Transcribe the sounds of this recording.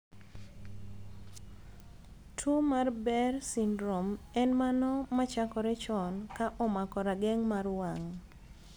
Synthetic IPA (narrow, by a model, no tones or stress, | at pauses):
tʰwomarbɛrsindɾomɛnmanɔmat͡ʃakɔɾɛt͡ʃɔnkaʔɔmakɔɾaɡɛŋmarwaŋ